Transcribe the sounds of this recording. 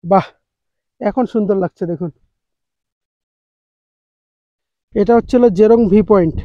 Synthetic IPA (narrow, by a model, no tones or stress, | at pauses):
ba | ɛkʰonʃund̪oɾlaɡ̚t͡ɕʰed̪ekʰun | eʈaotːɕʰelod͡ʑeɾoŋbʱipɔiɳʈ